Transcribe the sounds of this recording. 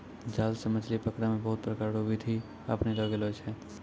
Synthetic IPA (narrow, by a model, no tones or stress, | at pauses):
d͡ʒaːlsəmət͡ʃlipəkɽamẽbɐɦʊt̪̚pɾəkaːɾɽoːbʱit̪ʰi | ə̰pneloːɡeloːt͡ʃɛ̃ː